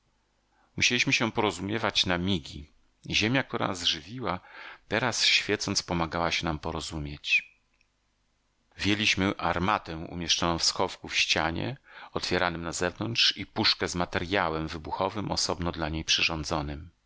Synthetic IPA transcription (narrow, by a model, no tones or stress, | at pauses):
muɕelʲiɕmɘɕɛpɔɾɔzumʲjɛvat͡ɕnamʲiɡʲi | ʑemʲjak̚t̪uɾa̰zʐɘvʲiwat̪ɛɾasɕfʲjɛt̪sɔnt̪spɔmaɡawaɕɛnampɔɾɔzumʲjet͡ɕ | vʲjɛlʲiɕmɘʔaɾmat̪ɛw̃ṵmʲjɛʂt͡ʂɔnɔ̃w̃fsxɔfkufɕt͡ɕaɲɛ̰ɔt̪fʲjɛɾanɘmnazɛvnɔnt̪ʂipuʂkɛzmat̪ɛɾjawɛmvɘbuxɔvɘmʔɔsɔbnɔd̪laɲejpʂɘʐɔnd̪zɔnɘm